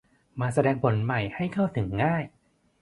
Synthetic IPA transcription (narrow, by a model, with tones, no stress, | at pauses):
maː˧sa˧dɛː˧ŋpʰo˩˦nma˨˩jha˥˩jkʰa˥˩wt̪ʰɯ˩˦ŋːaː˥˩j